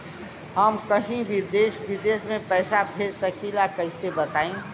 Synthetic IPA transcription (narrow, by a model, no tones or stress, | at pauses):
ɦəmkəɦĩbʱid̪eːsʋid̪eːsmẽpɛːsabʰʱeːɾsəkilakəɦsebət̪aːĩ